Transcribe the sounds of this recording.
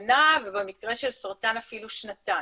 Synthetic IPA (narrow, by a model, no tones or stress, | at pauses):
navebemikʁe̞ʃelsaʁt̪anafiluʃnat̪a